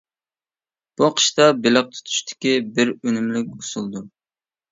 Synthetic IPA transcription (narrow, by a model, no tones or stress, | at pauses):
b̥uqʰə̥ʃt̪ɑbɪləq̚t̪ʰu̥t̪ʰu̥ʃt̪ʰɪ̥kʲibɪɾønymlyk̚ʲu̥sulˠd̪u